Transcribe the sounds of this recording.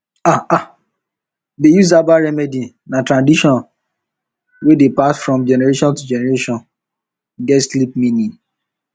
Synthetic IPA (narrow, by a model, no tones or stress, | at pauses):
aa | dejus̬abaɹɛmɛdi | natɹãndiʃɔ̃n | wedepasfɹɔ̃md͡ʒɛnɛɹeʃɔ̃ntud͡ʒɛnɛɹeʃɔ̃n | ɡɛtslipmĩnĩ